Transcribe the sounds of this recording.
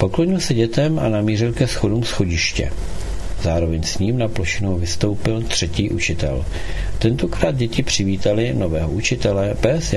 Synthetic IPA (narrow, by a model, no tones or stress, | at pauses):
po̞klo̞ɲɪlsɛɟɛt̪ɛmʔa̰namiːrɪlkɛsxo̞dumsxo̞ɟɪʃcɛ̰ | zaːɾo̞vɛɲsɲiːmnaplo̞ʃɪnowvɪst̪o̞wpɪlt̪r̥ɛciːʔut͡ʃɪt̪ɛ̰l | t̪ɛnt̪o̞kɾaːd̪̚ɟɛcɪpr̝̥ɪviːt̪alɪno̞vɛːɦoʔut͡ʃɪt̪ɛlɛbɛs